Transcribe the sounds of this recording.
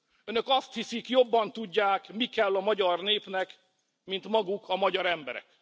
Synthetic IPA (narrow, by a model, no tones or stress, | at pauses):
ønø̞kɒst̪hisikjo̞bːɒnt̪uɟːaːkmikɛlːɒmɒɟɒrneːpnɛk | mint̪mɒɡukʰɒmɒɟɒɾɛmbɛɾɛ̰k